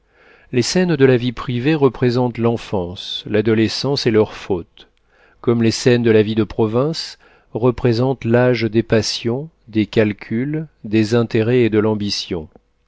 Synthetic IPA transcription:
lesɛnd̪əlavipχiveʁəpχezɑ̃t̪lɑ̃fɑ̃slad̪ɔlesɑ̃selœʁfot̪ | kɔmlesɛnd̪əlavid̪əpχɔvɛ̃s | ʁəpχezɑ̃t̪laʒd̪epasjɔ̃ | d̪ekʲalkʲʰyld̪ezɛ̃t̪eʁɛed̪əlɑ̃bisjɔ̰̃

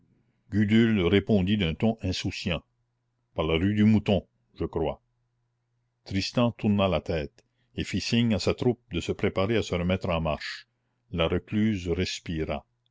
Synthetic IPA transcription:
ɡyd̪ylɾepɔ̃d̪id̪œ̃t̪ɔ̃ʔɛ̃susjɑ̃ | paʁlaɾyd̪ymut̪ɔ̃ | ʒəkɾwa̰ | t̪ɾist̪ɑ̃t̪uɾnalat̪ɛːt̪ | efisiɲasat̪ɾup̚d̪əsəpɾepaɾeasəɾəmɛt̪ɾɑ̃maʁʃ | laɾəklyːzɾɛspiɾa̰

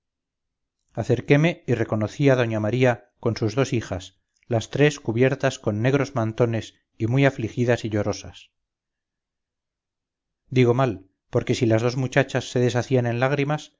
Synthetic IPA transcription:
aθe̞ɾke̞me̞ire̞ko̞noθiaðo̞ɲamaɾia | ko̞nsuzðo̞sixas | last̪ɾe̞skuβje̞ɾt̪asko̞nːe̞ɣ̞ɾo̞zmant̪o̞ne̞s | imujaflixiðasiʎo̞ɾo̞sas | d̪iɣo̞mal | po̞ɾke̞silazð̞o̞zmut͡ʃat͡ʃasːe̞ðe̞s̬aθianẽ̞nlaɣ̞ɾimas

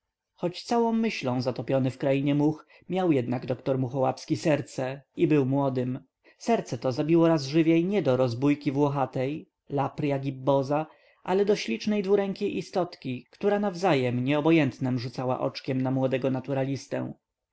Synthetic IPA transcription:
xɔt͡ɕt̪sawɔ̃w̃ːɘɕlɔ̃w̃zat̪ɔpʲjɔnɘfkɾajiɲɛmux | mʲjawjɛd̪naɡd̪ɔkt̪ɔɾmuxɔwapskʲisɛɾt̪sɛibɘwmwɔd̪ɘm | sɛɾt̪sɛt̪ɔzabʲiwɔɾazʐɘvʲjɛjɲɛd̪ɔɾɔzbujkʲivwɔxat̪ɛj | lapɾjaɡʲibːɔza | ʔalɛd̪ɔɕlʲit͡ʂnɛjd̪vuɾɛŋkʲejʔist̪ɔt̪kʲikt̪uɾanavzajɛmɲɛɔbɔjɛnt̪nɛmʐut̪sawa̰ʔɔ̰t͡ʂkʲɛmnamwɔd̪ɛɡɔnat̪uɾalʲist̪ɛ̰̃w̃

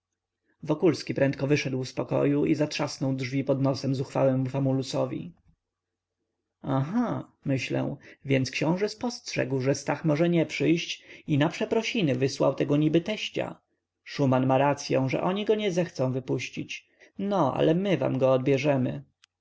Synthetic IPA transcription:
vɔkulskʲipɾɛnt̪̚kɔvɘʂɛd̪wfspɔkɔ̰juʔizatʂasnɔwdʐvʲipɔd̪nɔsɛmzuxfa̰wɛmufamulusɔvʲḭ | aɦamɘɕlɛ̰w̃vʲjɛnt̪skɕɔ̃w̃ʐɛspɔstʂɛ̰ɡwʐɛst̪axmɔʐɛɲɛpʂɘjɕt͡ɕinapʂɛpɾɔɕinɘvɘswa̰wt̪ɛɡɔɲibɘt̪ɛɕt͡ɕa̰ | ʂumanmaɾat̪sʲjɔ̃w̃ʐɛ̰ʔɔɲiɡɔɲɛzɛxt̪sɔ̃w̃vɘpuɕt͡ɕit͡ɕ | nɔʔa̰lɛmɘva̰mɡɔːd̪̚bʲjɛʐɛmɘ̰

